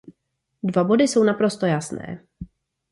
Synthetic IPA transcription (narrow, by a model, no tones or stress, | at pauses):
dvabo̞dɪso̞wnapɾo̞st̪o̞jasnɛ̰ː